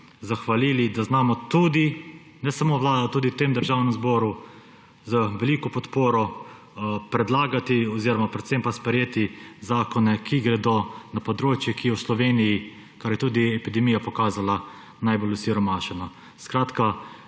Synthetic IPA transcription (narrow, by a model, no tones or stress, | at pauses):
zaxʋaliːlid̪aznaːmɔt̪uːd̪i | nɛsamoːʋlaːd̪at̪uːd̪it̪emd̪əɾʒaːwnɛmzbɔːɾu | zəʋɛliːkɔpɔt̪poːɾɔ | pɾɛd̪laːɡat̪iɔziːɾɔmapɾɛt̪sempaspɾɛjeːt̪izaːkɔnɛkʰiɡɾɛd̪onapɔd̪ɾoːt͡ʃjɛkijɛwslɔʋeːniji | kaɾjɛt̪uːd̪iɛpid̪ɛmiːjapɔkaːzala | najbolusiɾɔmaːʃɛnɔ | skɾaːt̪ka